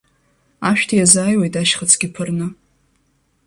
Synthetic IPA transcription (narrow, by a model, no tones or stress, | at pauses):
aʃᶣtʰijazaːjwejtʼaʃχat͡sʰɡʲɪpʰɨrnɨ